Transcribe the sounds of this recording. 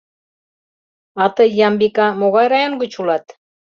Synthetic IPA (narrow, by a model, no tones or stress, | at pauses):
ɑt̪ɤjːɑmbikɑmoɣɑjɾɑjonɡut͡ɕulɑt̪